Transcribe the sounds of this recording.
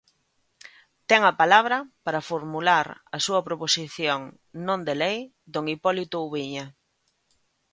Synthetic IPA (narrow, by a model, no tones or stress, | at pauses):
t̪ɛŋɐpalaβɾɐpaɾɐfoɾmulaɾɐsuɐpɾoposiθjoŋ | nõnd̪elej | d̪oŋipɔlit̪ʊuβiɲɐ